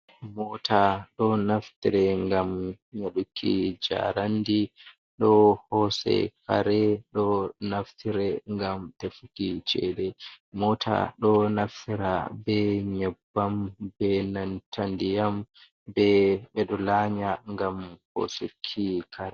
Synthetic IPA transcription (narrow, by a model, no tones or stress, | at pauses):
mɔtʰaɗɔnaftiɾɛŋɡam | ɲaɗukʰːḭd͡ʒa̰ɾandi | ɗɔhɔsɛ̰kaɾɛɗɔnaftʰiɾɛŋɡamtefukit͡ʃɛ̰ɗɛmɔtʰa̰ɗɔnaftiɾa̰bɛɲɛbːambɛnantʰandijam | bɛɓɛɗɔlaːɲaŋɡamho̰sukʰːikʰaɾɛ